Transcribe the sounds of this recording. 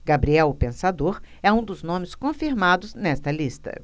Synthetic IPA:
ɡabɾiɛwʊpẽsad̪oɾ | ɛũd̪ʊznõmɪskõfiɾmad̪ʊznɛst̪ɐlist̪ɐ̰

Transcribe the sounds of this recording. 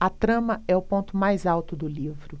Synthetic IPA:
ɐt̪ɾɐ̃mɐɛʊpõnt̪ʊmajzawt̪ʊd̪ʊlivɾʊ

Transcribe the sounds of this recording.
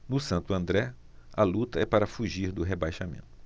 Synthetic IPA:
nʊsɐ̃nt̪ʊɐ̃nd̪ɾɛ | ɐlut̪ɐɛpaɾɐfuʒiɾd̪ʊɦebajʃamḛ̃nt̪ʊ̥

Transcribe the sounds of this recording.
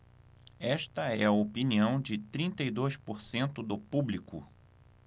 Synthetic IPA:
ɛʃt̪ɐɛɐopiniɐ̃w̃d͡ʒɪt̪ɾĩnt̪ɐid̪ojspoɾsẽnt̪ʊd̪ʊpublikʊ̰

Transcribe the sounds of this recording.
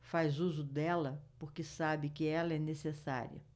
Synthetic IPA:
fajzuzʊd̪ɛlɐpoɾkɪsabɪkɪɛlɐɛnesesa̰ɾḭɐ̰

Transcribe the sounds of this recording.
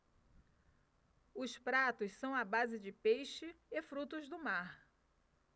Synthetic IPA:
ʊspɾat̪ʊssɐ̃w̃abazɪd͡ʒɪpejʃɪːfɾut̪ʊzd̪ʊmaɾ

